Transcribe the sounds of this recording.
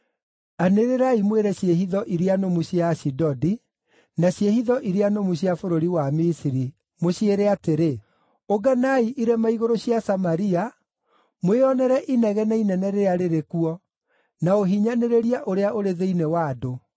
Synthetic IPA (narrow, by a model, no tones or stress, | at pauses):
aneɾeɾaimweɾɛɕjeɦiðɔʔiɾeanomuɕjaɕidɔdi | naɕjehiðɔʔiɾeanomuɕjafoɾoɾiwamisiɾi | moɕieɾɛateɾe | oɡanaiʔiɾɛmaiɣoɾoɕjasamaɾia | mweɔnɛɾɛʔinɛɣɛnainɛnɛɾeaɾeɾekuɔ | naoɦiɲaneɾeɾiaʔoɾeaʔoɾeðeinewaːdo